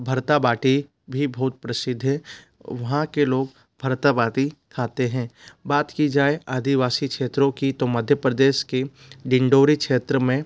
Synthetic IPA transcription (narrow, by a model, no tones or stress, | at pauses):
bʱɐɾt̪abaːʈi | bʱibɐɦʊt̪̚pɾəsɪd̪ʱːɛ̃ | ʋɐɦãkeloːɡ | bʱɐɾt̪abaːʈikʰaːt̪eɦɛ̃ːbaːt̪kid͡ʒaːeʔaːd̪ʱiʋaːsikʃeːt̪ɾõkit̪omɐd̪ʱjəpɾəd̪eːʃke | ɖɪ̃ɳɖoːɾikʃeːt̪ɾəmẽ